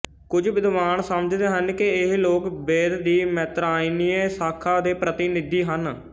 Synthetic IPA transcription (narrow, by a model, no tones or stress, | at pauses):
kʊd͡ʒʋɪd̪ʋaːnsəmd͡ʒd̪eːɦənkɪɪɦloːkbeːd̪d̪iːmɛːt̪ɾaːiniːeːsaːkʰaːd̪eːpɾət̪ɪnɪd̪iːɦən